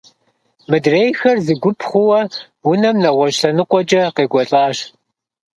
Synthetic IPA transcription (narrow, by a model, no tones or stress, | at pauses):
mɨdrejxɐrzɨɡʷʊpʰχʷʊwɐ | wʊnɐmnɐʁʷɔɕɬɐnɨqʷʼɔd͡ʒʼɐqeːɡʷɔɬʼaːɕ